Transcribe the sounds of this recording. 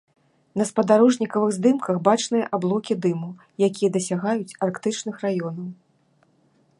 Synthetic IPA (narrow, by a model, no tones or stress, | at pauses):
nɐspɐd̪aɾɔʐnʲikɐvɨɣzʲd̪ɨmkɐxbat͡ʂnɨjɐʔablˠɔkʲid̪ɨmu | jakʲijɐd̪ɐsʲaɣajut͡sʲarkt̪ɨt͡ʂnɨxrajɔnɐw